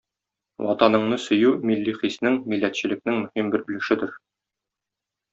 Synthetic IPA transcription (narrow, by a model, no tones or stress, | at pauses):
wɒ̰t̪ɑnɤ̆ɴnɤsɵ̆jʉmilːiχisnɘŋmilːæt̪ɕɘ̆lɘ̆k̚nɘŋmɵ̆himbɘɾbɵ̆lɘ̆ʃɘd̪ɘɾ